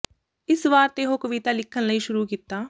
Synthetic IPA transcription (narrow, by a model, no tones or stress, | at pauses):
ɪsʋaːɾt̪eːɦokɐʋit̪alɪkʰənlɐĩʃʊɾukɪt̪aː